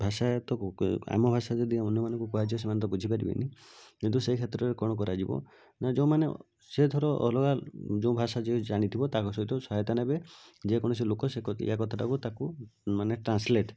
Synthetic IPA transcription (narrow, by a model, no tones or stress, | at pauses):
bʱasajt̪ɔa̰mɔbʱasad͡ʒ̪ed̪iaunjɔmanɔ̃ŋkukɔɦad͡ʒiɔs̬emant̪̬ɔbud͡ʒʱipaɾḭbḭnikint̪usekʰet̪ɾɔɾekɔɽ̃ɔk̬ɔɾad͡ʒibɔ̰ | nad͡ʒɔw̃mane | sed̪ʰʱɔɾɔʔɔ̰lɔɡad͡ʒow̃bʱasad͡ʒẽd͡ʒaɽ̃it̪ʰibɔt̪akɔsɔɦit̪ɔsɔɦajt̪anabed͡ʒekɔɽ̃ɔs̬elokɔsekḛjakɔt̪ʰaʈakut̪akumaneʈɾansleʈ